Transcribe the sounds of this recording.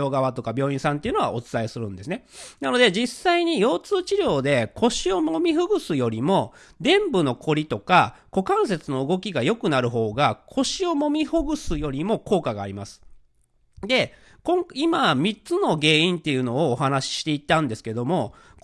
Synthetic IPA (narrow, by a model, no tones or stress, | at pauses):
o̞ːɡaβat̪o̞kabʲjo̞ːĩɰ̃sãnt̪e̞iɯ̟noa̰ʔo̞t͡sɨ̥t̪aisɨɾɯ̟̃nd̪e̞sɨne̞nano̞d̪e̞d͡ʑisːaiɲ̟ijo̞ːt͡sɨːt͡ɕiɾʲo̞ːd̪e̞kʰo̞ɕio̞momʲiɸɯ̟ɡɯ̟sɨjo̞ɾʲimo̞ | d̪ẽ̞mbɯno̞kʰo̞ɾʲit̪o̞kako̞kãɰ̃se̞t͡sɨno̞ɯ̟ɡo̞kʲiɡajo̞kɯ̟naɾɯ̟ɦo̞ːɡakʰo̞ɕio̞mo̞mʲiɸɯɡɯ̟sɨjo̞ɾʲimo̞ko̞ːkaɡa̰ːɾʲimasɨ̥ | d̪e̞ | kõ̞ŋimamʲit͡sɨno̞ɡe̞ːĩnt̪e̞jɯ̟no̞ːɦanaɕi̥ɕi̥t̪e̞it̪ːãnd̪e̞sɨ̥ke̞d̪o̞mo̞